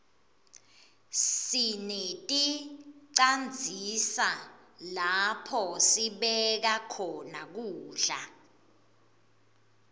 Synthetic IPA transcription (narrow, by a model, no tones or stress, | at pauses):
sinetʼiǀand͡zʱisa | lapʰɔsiɓɛk̬akʰɔnak̬uːɮa̰